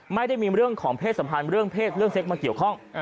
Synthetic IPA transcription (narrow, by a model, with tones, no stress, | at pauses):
ma˥˩jda˥˩jmiː˧ɾɯ˥˩əŋkʰɔː˩˦ŋpʰeː˥˩t̪̚sa˩˦mpʰa˧nɾɯ˥˩əŋpʰeː˥˩t̪̚ɾɯ˥˩əŋse˦˥k̚maː˧ki˨˩əwkʰɔ˥˩ŋ